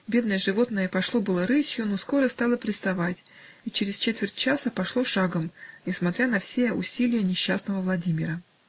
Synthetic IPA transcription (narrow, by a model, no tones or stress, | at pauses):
bʲe̞d̪nəjəʐɨvo̞t̪nəjəpɐʂlˠobɨlˠəɾɨsʲjʊnosko̞ɾəst̪ɑlˠəpɾʲɪst̪ɐvatʲ | it͡ɕɪɾʲɪst͡ɕet̪vʲɪrʲtʲt͡ɕasəpɐʂlˠoʂaɡəmnʲɪsmɐt̪ʲɾʲanɐfsʲeʊ̰sʲilʲɪjənʲɪɕːasnəvəvlˠɐdʲimʲɪɾə